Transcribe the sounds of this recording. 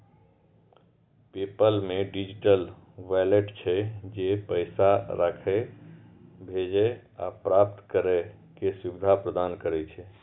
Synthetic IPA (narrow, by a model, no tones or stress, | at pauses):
pipəlmeɖid͡ʒiʈəl | ʋaleʈt͡ʃʰɛd͡ʒepəɪsaɾakʰe | bʱed͡ʒea̰pɾap̚t̪kəɾe | kesubid̪ʱapɾəd̪ankəɾɛt͡ʃʰɛ